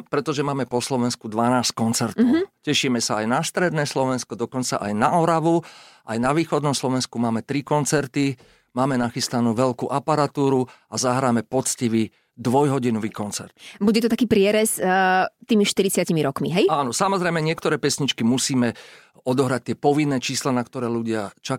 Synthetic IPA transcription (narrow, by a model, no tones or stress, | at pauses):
pɾɛt̪ɔʒɛmaːmɛpɔslɔʋɛnskud̪ʋanaːsckɔnt͡sɛɾt̪ɔʊcɛʃiːmɛsaajnast̪ɾɛd̪nɛːslɔʋɛnskɔd̪ɔkɔnt͡sa̰ʔajnaɔɾaʋuʔajnaʋiːxɔd̪nɔmslɔʋɛnskumaːmɛt̪ɾikɔnt͡sɛɾt̪i | maːmɛnaxist̪anuːʋɛlkuːʔapaɾat̪uːɾuazaɦɾaːmɛpɔt͡sciʋi | d̪ʋɔjɦɔɟinɔʋiːkɔnt͡sɛ̰ɾt̪buɟɛt̪ɔt̪akiːpɾɪɛɾɛst̪iːmiʃt̪iɾit͡sɪacimiɾɔkmiɦɛjaːnɔsamɔzɾɛjmɛɲɪɛkt̪ɔɾɛːpɛsɲit͡ʃkimusiːmɛ | ɔd̪ɔɦɾac̚t̪ɪɛpɔʋinːɛːt͡ʃiːslanakt̪ɔɾɛːluɟɪat͡ʃa